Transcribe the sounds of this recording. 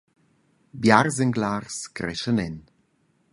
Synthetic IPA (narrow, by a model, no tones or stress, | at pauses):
bjarzɛŋɡlaːrskɾɛ̰ʃənɛn